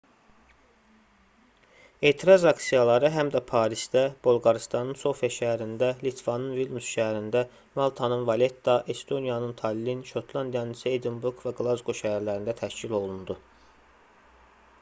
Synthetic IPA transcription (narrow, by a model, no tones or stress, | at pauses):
e̞ːt̪ʰiɾɑzɑksijɑlˠɑɾɯɦæmd̪æpʰɑːɾisd̪æb̥olˠɡɑɾist̪ɑnɯnso̞fijɑʃæɦæɾind̪ælit̪ʰv̥ɑnɯnvilˠnusʃæɦæɾind̪æ | mɑlˠt̪ʰɑnɯnvɑle̞t̪ːɑʔe̞st̪o̞nijɑnɯnt̪ʰɑlːinʃo̞t̪ʰlˠɑnd̪ijɑnisied̪inbuɾɡvæɡlˠɑzɡo̞ʃæɦæɾlæɾind̪æt̪ʰæʃcilo̞lˠund̪u